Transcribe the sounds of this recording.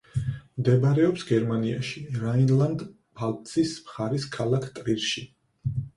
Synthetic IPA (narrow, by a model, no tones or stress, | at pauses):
md̪ɛbaɾɛɔpsɡɛɾmania̰ʃiɾainlˠand̪ | pʰalt̪ʼsʰismχaɾiskʰalˠakʰt̪ʼɾiɾʃi